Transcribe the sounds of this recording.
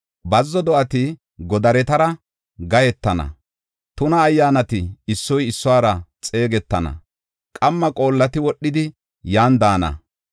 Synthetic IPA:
bɐzːɔd̪ɔʔɐt̪ɪ | ɡɔd̪ɐɾɛt̪ɐɾɐ | ɡɐjɛt̪ːɐnɐ̰ | t̪ʊnɐːjːaːnɐt̪ɪːsːɔjɪsːʊaːɾɐt͡sʼe̞ːɡɛt̪ːɐnɐ̰ | kʼɐmːɐkʼo̞ːlːɐt̪ɪwɔɗːɪd̪ɪ | jaːnd̪aːnɐ̰

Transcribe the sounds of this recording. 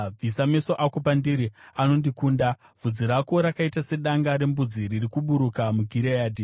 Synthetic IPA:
b͡visameso̞ʔako̞pandiɾiano̞ndikuːnda | b͡vud͡ziɾako̞ɾakaitase̞ɗaŋɡaɾe̞mbud͡ziririkuɓuɾukamuɡʱiɾejaːdʱi

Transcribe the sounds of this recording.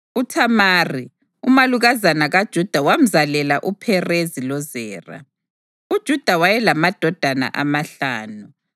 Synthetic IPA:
utʰamaːri | umaluɣazanaɣad̥ʒ̥ʱud̥ʱawam̩zalɛlaʔupʰɛrezilɔzɛːra̰ | ud̥ʒ̥ʱud̥ʱawajɛlamad̥ʱɔd̥ʱana̰ʔamaɬaːnu

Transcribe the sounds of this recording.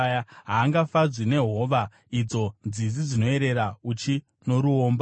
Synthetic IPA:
jaɦaːŋɡafad͡zwine̞ɦo̞ʋa | id͡zo̞nd͡zizid͡zino̞e̞ɾe̞ɾaut͡ʃi | no̞ɾuoːmba

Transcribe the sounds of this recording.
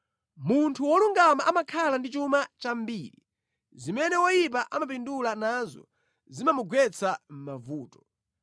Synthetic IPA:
muntʰuwɔluŋɡamaʔamakʰalandit͡ʃumat͡ʃambiːɾi | zimɛnɛwɔjip̬aʔamap̬indulanazɔ̰ | zimamuɡwɛt͡sʰam̩mavuːtɔ̥

